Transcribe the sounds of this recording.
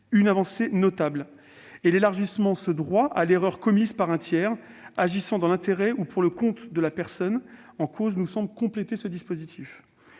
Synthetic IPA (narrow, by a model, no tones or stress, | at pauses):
ynavɑ̃senɔt̪abl | elelaʁʒismɑ̃səd̪ʁwaʔa̰leʁœʁkɔmizpaʁɛ̃t̪jɛːʁaʒisɑ̃d̪ɑ̃lɛ̃t̪eʁɛupuʁləkɔ̃t̪d̪əlapɛʁsɔn | ɑ̃kʰoznusɑ̃blkɔ̃plet̪esəd̪ispozit̪ʰif